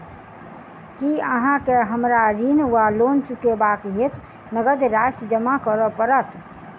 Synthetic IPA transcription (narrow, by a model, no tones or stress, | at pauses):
kiəɦãkeɦəmɾaɾinʋaloːnt͡ʃukebaːkɦet̪ | nəɡəd̪ɾaːsd͡ʒəmakəɾɔpəɾət̪